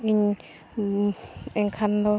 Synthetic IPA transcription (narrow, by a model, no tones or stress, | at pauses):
iɲ | ɛŋkʰand̪o